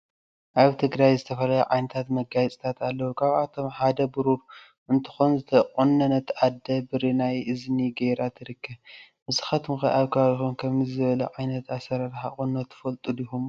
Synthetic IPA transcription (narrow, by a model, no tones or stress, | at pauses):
ʔaβt̪ʰɨɡɾajzɨt̪ʰɐfɐlajɐʕajnɐt̪ʰat̪mɐɡajt͡sʼt̪ʰat̪ʰalːɐwukʰaβat̪ʰo̞mħad̪ɐbɨɾuɾ | ʔɨnt̪ʰɨ̥xonzɨt̪ʰɐχʼunːɐnɐt̪ʰːʔad̪ːɐbɨɾinajʔɨzniɡejɾat̪ʰɨɾɨkʰːɐβ | mɨsɨxɐt̪mɨxɐʔaβkʰɐβaβixunkʰɐmzɨβɐlɐʕajnɐt̪asɐɾɐɾħaχʼunːɐt̪ʰːɨ̥fɐlt̪ʼulihum